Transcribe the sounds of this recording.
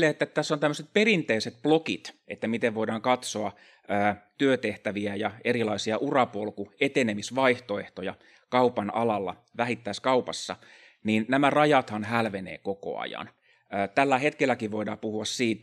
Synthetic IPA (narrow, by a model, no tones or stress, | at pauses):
eːet̪ːætt̪æsːont̪æmːøset̪̚perint̪eiset̪̚plokḭt̪ḛt̪ːæmit̪eʋʋoiɾɑːŋkɑt̪soɑ | øːt̪yøt̪eht̪æʋiæjɑerilɑisiɑʔurɑpolkuet̪enemisʋɑiht̪oeht̪ojɑ | kɑupɑnɑ̰lɑlːɑ̰ | ʋæhit̪ːæiskɑupɑsːɑ | niːnnæmærɑjɑt̪hɑnhælʋenḛːkoko̰ɑ̰jɑ̰nː | t̪ælːæhet̪kelːækiʋʋoidɑːpuhuɑssiːt̪